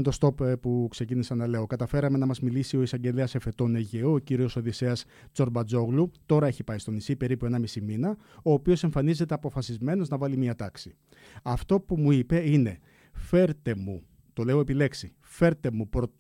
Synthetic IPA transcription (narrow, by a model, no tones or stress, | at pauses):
t̪o̞st̪o̞ppukse̞cinisɐnɐle̞o̞kɐt̪ɐfe̞ɾɐme̞nɐmɐzmilisio̞isɐɲɟe̞leɐse̞fe̞t̪o̞ne̞ʝeoːciɾio̞so̞ðise̞ɐs | t͡so̞ɾbɐd͡zo̞ɣlut̪o̞ɾɐe̞çipɐist̪o̞nisipe̞ɾipue̞nɐmisiminɐ | o̞ːpio̞se̞ɱfɐnize̞t̪e̞ɐpo̞fɐsizme̞no̞znɐvɐlimiɐt̪ɐksi | ɐft̪o̞pumuipe̞ine̞ | fe̞ɾt̪e̞mu | t̪o̞leoe̞pile̞ksi | fe̞ɾt̪e̞mupɾo